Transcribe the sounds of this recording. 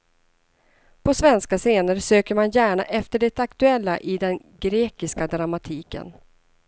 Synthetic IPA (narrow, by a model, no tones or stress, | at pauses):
pʰɔsvɛnskaseːnəɾsøːkəɾmanjæːɳaʔɛft̪əɖɛt̪akt̪ɵɛlːaʔɪd̪ɛn | ɡɾeːkɪskad̪ɾamat̪ʰiːkə̰n